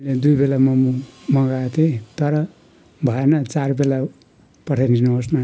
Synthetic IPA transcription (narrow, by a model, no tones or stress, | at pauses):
led̪ujbelamʌumʌɡat̪ʰet̪ʌɾʌ | bʱʌenʌt͡sarbela | pʌʈʰajninʌɦosna